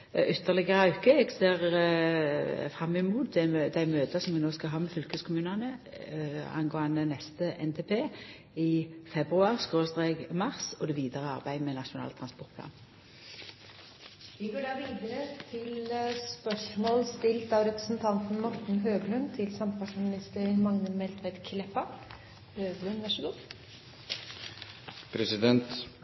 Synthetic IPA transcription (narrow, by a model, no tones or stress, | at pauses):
ʔʏt̪ʰːəʁlɪɡəʁəɑʉkəɛɡseːʁ | fʁɑmːɪmuːt̪̚d̪ɛd̪æɪmøːt̪əsɔmʋɪnoːskɑɦɑːmɛfʏlkəskʰʊmʉːnɑnə | ɑ̰nɡoːɑnənɛst̪əʔɛnt̪ʰeːpʰeː | ɪfɛbʁʉɑʁskʁoːst̪ʁeːɡmɑʁsɔd̪ɛʋiːd̪əʁəɑ̰ʁbæɪmɛnɑʂʊnɑ̰ːlt̪ʰʁɑnspɔʁt̪̚k̪ʰɑ̰m | ʋɪɡoːɖɑːʋiːd̪əɾət̪ʰɪlspœʂmoːlst̪ɪlt̪ɑːʋɾɛpɾəsnt̪ʰɑnt̪n̩mɔʈɳ̩ɦøːɡlʉnt̪ʰɪlsɑmpʰɑsmɪnɪst̪əɾmɑŋnəmɛlt̪ʰʋæɪd̪kʰlɛpɑ | øːɡlʉnʋæʂəd̪uː | pʰɾɛsɪd̪ɛnt̪